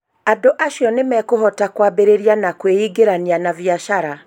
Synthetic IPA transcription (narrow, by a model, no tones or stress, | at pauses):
adoʔaʃjɔnemɛːkoɦɔtakwabeɾeɾianakweiɡeɾanianavjaʃaɾa